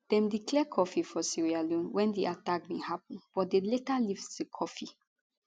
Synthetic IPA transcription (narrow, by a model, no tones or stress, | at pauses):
d̥ɛ̃mdiklɛkʰɔfifɔsiɹialũnwʔɛ̃ndiʔatak̚mehap̚nb̥ɔtdeletaliftdekʰɔfi